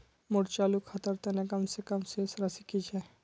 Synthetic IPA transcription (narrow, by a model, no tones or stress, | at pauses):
mʊɾt͡ʃaːlukʰɐt̪əɾt̪enẽkɐmsekɐmsesɾɐsikit͡ʃʰɛ